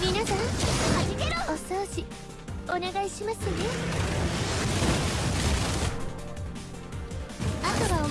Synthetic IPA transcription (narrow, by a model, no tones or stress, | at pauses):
mʲinasãŋiosoɾoɕi | one̞ɡaiɕimasɨd̪esɨ̥ | at̪oβao